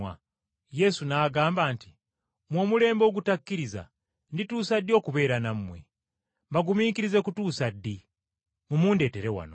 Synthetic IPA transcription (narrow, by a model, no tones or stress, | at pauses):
a̰ | je̞sunaːɡaːmbaːnti | mwo̞mule̞ːmbo̞ːɡutakːiɾiza̰ | ndituːsadːio̞ːkuβe̞ːɾanammwe̞̰ | mbaɡumiːkiɾize̞kutuːsadːi | mumuːnde̞ːte̞ɾe̞wa̰no̰